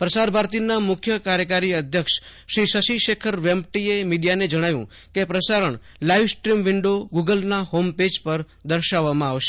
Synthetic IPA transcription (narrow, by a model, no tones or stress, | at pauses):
pɾəsaɾbʱaɾt̪inamʊkʰjəkaɾjəkaɾiəd̪ʱjəkʃʃɾiʃəʃiʃekʰəɾʋemb̚ʈiemiɖijaned͡ʒəɽ̃aʋjṵ̃ | kepɾəsaɾəɳ | laiʋsʈɾimʋɪɳɖoɡuɡəlnahomped͡ʒpəɾ | d̪əɾʃaʋːamãaʋʃe̥